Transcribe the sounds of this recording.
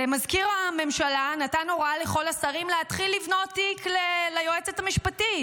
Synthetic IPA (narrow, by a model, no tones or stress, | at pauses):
emazkiʁame̞mʃalanatanoʁale̞χo̞lasaʁimleat̪χilːivno̞tːiklelajoet͡sethamiʃpati